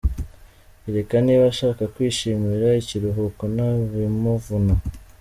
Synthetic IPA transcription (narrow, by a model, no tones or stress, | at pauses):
iɾekaniβaʃaːkakwiːʃimiɾaiciɾuɦukonaβimuvuna